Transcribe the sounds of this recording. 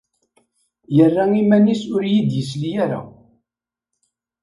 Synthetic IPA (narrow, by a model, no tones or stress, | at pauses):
jərːaimænisʊɾjid̪jəslijaɾa̰